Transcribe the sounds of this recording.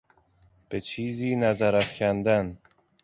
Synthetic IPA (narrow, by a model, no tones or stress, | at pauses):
b̥et͡ʃʰiːziːnæzæɾæfcʲʰænd̪æn